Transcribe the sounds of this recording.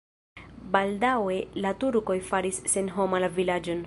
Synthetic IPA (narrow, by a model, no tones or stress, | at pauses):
baldawe̞latuɾko̞jfaɾisːe̞nɦo̞malavilad͡ʒo̞n